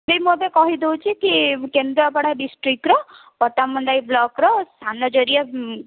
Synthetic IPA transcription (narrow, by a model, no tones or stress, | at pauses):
bimod̪ekɔɦid̪ewt͡ʃʰikikend̪ɾɔpaɽaɖisʈɾikɾɔ | pɔʈamɔɳɖajblɔkɾɔst̪ʰanɔd͡ʒɔɾie